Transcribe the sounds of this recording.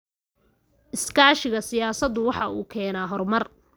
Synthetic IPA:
ʔɪskʰaːʃɪɣɐsɪjaːsɐd̪ːʊwɑħɑʔuːkʰɛːnaːɦɔrmɐr

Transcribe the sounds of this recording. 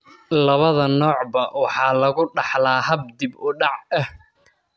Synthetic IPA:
lɐβɐðɐnɔːʕbɐwɑħɑːlɐɣʊɖɑħlaːhɐb̚d̪ɪbʊɖɑʕɐh

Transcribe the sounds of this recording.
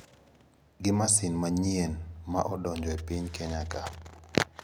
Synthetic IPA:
ɡɪmasɪnmaɲienma̰ʔɔdɔɲd͡ʒɔepiɲkɛɲaka

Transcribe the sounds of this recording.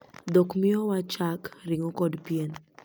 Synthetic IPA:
d̪okmɪɔwat͡ʃakɾiŋokɔdpien

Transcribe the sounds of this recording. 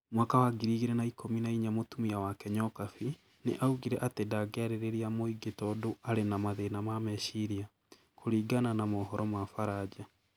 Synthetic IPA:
mwaːkawaɡiɾiːɣeɾɛnaikominaiɲamotumiawakɛɲɔkafi | nḛʔauɣiɾɛʔatedaɡɛaɾeɾeɾiamoiɡetɔdoaɾenamaðenamamɛʃiɾia | kʰoɾiːɡananamɔɦɔɾɔmafaɾad͡ʑa

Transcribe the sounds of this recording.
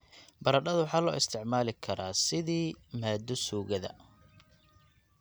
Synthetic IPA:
bɐɾɐɖɐðʊwħɑːlɔ̰ːɪst̪ʰɪʕmaːlɪkʰɐɾaːsɪðiːmaːd̪ɔsuːɣɐðɐ̰

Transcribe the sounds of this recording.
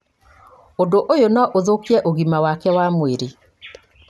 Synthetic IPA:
ondoʔojonɔʔoðokiɛʔoɣimawakɛwamweɾe

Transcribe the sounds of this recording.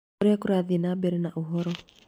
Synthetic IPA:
ɾɛkuɾaðinabɛɾɛnaʔuɦɔɾɔ

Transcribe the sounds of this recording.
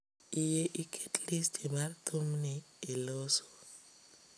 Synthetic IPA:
ijeʔikʰʼetlistʰimart̪ʰomniː | lɔːsɔ̥

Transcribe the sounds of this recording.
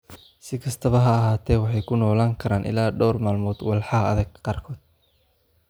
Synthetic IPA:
sɪkʰɐst̪ʰɐβɐɦɐɐɦaːt̪ʰɛːwɑħɑjkʰʊnɔːlaːŋkʰɐɾaːnʔɪ̰laːɖɔːrmaːlmɔːd̪wɑlħɑɦɐɐðɐɡqɑːrkʰɔːd̪̥̚

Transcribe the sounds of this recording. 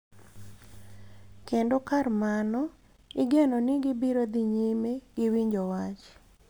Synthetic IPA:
kendokarmanɔ | ɪɡenonɪɡɪbiɾod̪iɲimeɡ̥ɪwiɲd͡ʒowat͡ʃ

